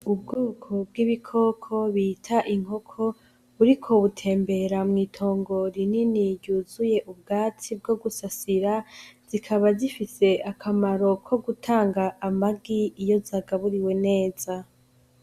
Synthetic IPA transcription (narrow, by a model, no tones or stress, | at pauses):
ubɡoːkʰo̞b̚ɡiβikʰo̞ːkʰo̞βiːtʰaʔiŋ̥ɦo̞kʰo̞ | βuɾikʰo̞βutʰe̞ːmbe̞ɾamŋiːtʰo̞ːŋɡo̞ɾininiɾjɟuːzuje̞ʔub̚ɡaːt͡sib̚ɡo̞ɡusasiɾaz̥ikʰaβazifise̞ʔakʰamaɾo̞kʰo̞ɡutʰaːŋɡaʔːmaɡiijo̞zaɡaβuɾiwe̞ne̞ːz̥a